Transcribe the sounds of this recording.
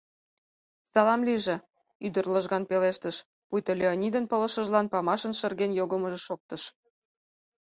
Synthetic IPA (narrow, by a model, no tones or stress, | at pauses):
sɑlɑmliʒĕ | yd̪ərləʒɣɑnpeleʃt̪əʃ | pujt̪ə̆lʲeonʲid̪ənpə̆lə̆ʃə̆ʒlɑnpɑmɑʃənʃə̆rɣenjoɣə̆məʒĕʃok̚t̪ɤ̆ʃ